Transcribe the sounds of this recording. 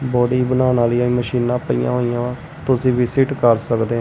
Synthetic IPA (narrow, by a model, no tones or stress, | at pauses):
bɔːɖiːbənaːnaːləiãːĩːməʃiːnãːpəḭːã̰ːɦoːijãː | t̪ʊsĩːʋɪsiʈkəɾsəkd̪eːɦa